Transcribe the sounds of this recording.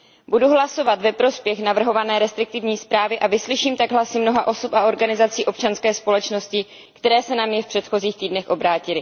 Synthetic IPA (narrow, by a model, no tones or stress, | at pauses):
buduɦlaso̞vat̪vɛpɾo̞spjɛxnavr̩ɦovanɛːɾɛst̪ɾɪk̚t̪ɪvɲiːspɾaːvɪʔavɪslɪʃiːmt̪aɡɦlasɪmno̞ɦaʔo̞sopaʔo̞ɾɡanɪzat͡siːʔo̞pt͡ʃanskɛːspo̞lɛt͡ʃno̞scɪ | kt̪ɛɾɛːsɛnamɲɛfpr̥ɛt̪xo̞ziːxt̪iːdnɛxʔo̞bɾaːcɪlɪ